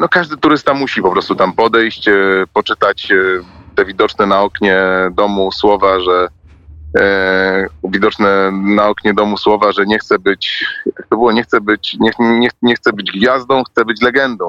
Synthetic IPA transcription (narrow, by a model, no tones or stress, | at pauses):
nɔkaʐd̪ɘt̪uɾɘst̪amuɕipɔpɾɔst̪ut̪ampɔd̪ɛjɕt͡ɕpɔt͡ʂɘt̪at͡ɕt̪ɛvʲid̪ɔt͡ʂnɛnaɔkɲɛd̪ɔmuswɔvaʐɛ | vʲid̪ɔt͡ʂnɛnaɔkɲɛd̪ɔmuswɔvaʐɛɲɛxt̪sɛbɘt͡ɕjak̚t̪ɔbɘwɔɲɛxt̪sɛbɘt͡ɕɲɛɲɛxɲɛxt̪sɛbɘd͡ʑɡvʲjazd̪ɔ̃w̃xt̪sɛbɘt͡ɕlɛɡɛnd̪ɔ̃w̃